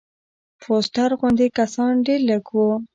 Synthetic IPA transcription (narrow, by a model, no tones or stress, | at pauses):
pʰosʈ̪aɾɣʊnd̪ekasɑnɖeɾləɡwu